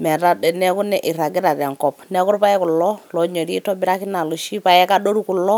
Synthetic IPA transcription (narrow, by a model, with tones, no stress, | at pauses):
mɛ˨ta˦dɛ˨nɛ˦ku˦nɛ˦˨ʔi˨ɾa˨ɡɪ˦ɾa˨tɛ˨ŋkɔ˨pnɛ˦ku˦ɾpa˦ɛ˦ku˨lːɔ˦lɔ˨ɲo˨ɾi˦tɔ˦bi˦ɾa˦ki˦na˨lu˨ʃi˦pa˦jɛ˦ka˦ɗo˦ɾu˦ku˨lɔ˦